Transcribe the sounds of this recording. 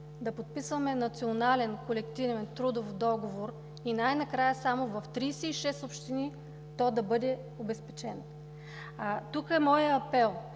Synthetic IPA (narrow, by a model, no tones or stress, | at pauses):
d̪ɐpot̪̚pisvɐmɛnɐt̪sionalɛnkolɛkt̪ivɛnt̪ɾud̪ofd̪ɔɡovoɾ | inajnɐkɾajəsamovɐft̪ɾijsɛiʃɛsopʃt̪ini | t̪ɔd̪ɐbɤd̪ɛ | obɛspɛ̥t͡ʃɛn | at̪ukɛmɔjəɐpɛlˠ